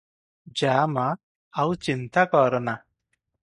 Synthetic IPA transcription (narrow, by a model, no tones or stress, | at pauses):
d͡ʒaːmaː | wt͡ʃint̪akɔːɾɔna